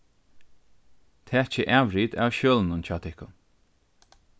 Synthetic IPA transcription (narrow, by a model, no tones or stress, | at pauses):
t̪ʰɛːt͡ʃəʔavɾiːd̪a̰wʃøːlnʊnt͡ɕʰaːt̪ʰɪhkʊn